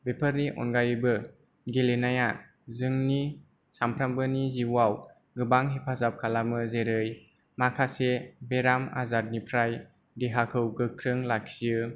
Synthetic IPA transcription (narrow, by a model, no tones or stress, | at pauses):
bepʰəɾniʔɔ̰nɡajbɯ | ɡelenaja | zɯŋni | sampʰɾambɯniziwaw | ɡɯbaŋɦepʰazap̚kʰalamɯzeɾɯj | makʰasebeɾama̰zaɾ̚nipʰɾaj | deɦakʰɯwɡɯkʰɾɯŋlak̚sɯ